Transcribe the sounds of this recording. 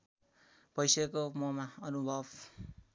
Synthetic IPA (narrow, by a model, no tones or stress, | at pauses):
pʌjsekomʌmaʌnubʱʌb